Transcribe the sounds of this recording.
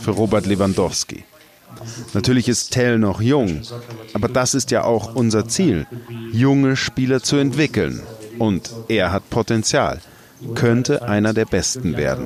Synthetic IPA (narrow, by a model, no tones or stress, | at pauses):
fyːɐʁoːbɛɐtlevandɔfskḭ | natʰyːɐlɪçɪsttʰːɛlnɔχjʊŋʔaːbɐdasɪstja̰ːʔaʊxʔʊnzɐt͡siːljʊŋəʃpiːlɐt͡suɛntv̥ɪkl̩nʔʊntʔeːɐɦatpʰotɛnt͡sja̰ːl | kʰœntəʔaɪnɐdeːɐbɛstn̩vḛːɐdn̩